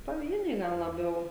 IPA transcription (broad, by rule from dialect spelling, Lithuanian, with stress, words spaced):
pɐˈʋʲiɛnʲɛɪ ˈɡɐlˠ lˠɐˈbʲɛʊ